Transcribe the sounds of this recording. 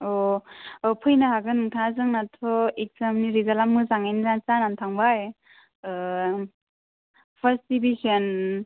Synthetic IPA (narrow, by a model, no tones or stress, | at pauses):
ɔ | pʰɯjnaɦaɡɯnuŋtʰaazɯŋnatʰɔek̚zamniɾizalamːɯzaŋajnizant͡sanantʰaŋbaj | pʰasibisan